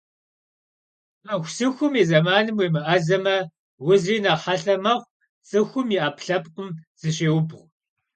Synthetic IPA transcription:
ɐxʷsɨxʷʊmiːzɐmaːnɨmweːmɨʔɐzɐmɐ | wʊziːnɐħɐɬɐmɐʁʷ | t͡sʼɨxʷʊmiʔaːpɬɐpqʷʼʊmz̥ɨɕʼeːwʊbʁʷ

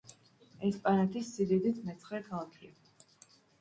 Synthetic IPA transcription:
ɛspʼanat̪ʰisːid̪ɛd̪it̪ʰmɛt̪sʰχɛkʰalˠakʰia

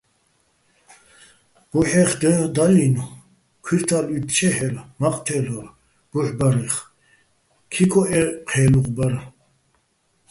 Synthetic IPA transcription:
b̥uħɛχd̪əd̪alinu | kʰwiɾt̪ʰalit̪t͡ʃʰɛħɛlmaqʼt̪ʰɛlɔɾ | b̥uħbaɾɛχ | kʰikʰɔʔɛqʰɛːluqʼbaɾa

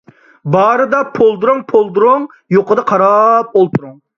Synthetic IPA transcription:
bɑːɾɨd̪ɑpʰolˠd̪uɾʊŋpʰolˠd̪uɾʊŋ | joqəd̪ɑqʰɑɾɑp̚olˠt̪ʰuɾuŋ

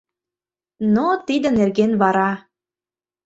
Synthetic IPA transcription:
not̪id̪ə̆nerɣenβɑɾɑ

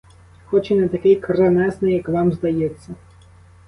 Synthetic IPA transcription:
xɔt͡ʃɪnɐt̪ɐkɪjkɾɐnɛsnɪjɐkʋɑmzd̪ɐjet͡sʲːɐ

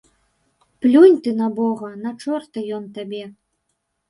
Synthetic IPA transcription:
plʲunʲt̪ɨnabɔɣɐnat͡ʂɔrt̪ɨjɔnt̪abʲɛ

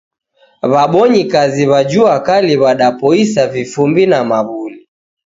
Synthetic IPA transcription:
βaɓɔɲikaziβad͡ʒuakaliβaɗapɔisavifumbinamaβuli

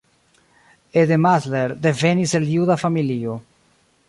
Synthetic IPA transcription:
ed̪ematleɾd̪e̞ve̞nise̞ljudafamilio

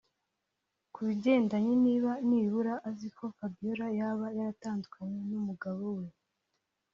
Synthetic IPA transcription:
kʰuβiɟe̞ːndaɲiniːβaniːβuɾaʔːzikʰo̞fabijoɾajaβajaɾataːndukaɲe̞numuɡaβo̞we̞

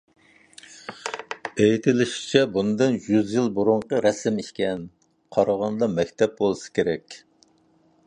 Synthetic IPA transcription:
ejit̪ʰɪlɪʃi̥t͡ʃʰɛbunɨd̪ɨnjyzjilˠbuɾuɴqəɾɛsɪmiʃkʲɛn | qʰɑɾɑʁɑnd̪ɑmɛkʲt̪ʰɛp̚bolˠsɨ̥kʲʰeɾɛkʲ

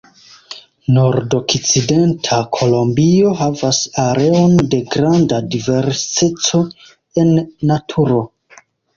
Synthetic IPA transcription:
no̞ɾdo̞kt͡side̞ntʰakʰo̞lo̞mbio̞ɦavasaɾe̞o̞nde̞ɡɾandadive̞ɾsitt͡set͡so̞ | e̞nːatʰuɾo̞

